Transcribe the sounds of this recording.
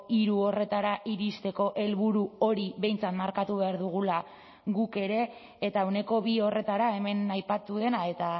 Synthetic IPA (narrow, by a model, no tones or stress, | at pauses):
iɾuo̞re̞t̪aɾaʔiɾist̪e̞ko̞ʔe̞lβuɾuo̞ɾiβe̞jnt͡sat̪maɾkat̪uβe̞aɾðuɣ̞ula | ɣuke̞ɾe̞ː | t̪awne̞ko̞βio̞re̞t̪aɾae̞me̞najpat̪uðe̞nae̞t̪a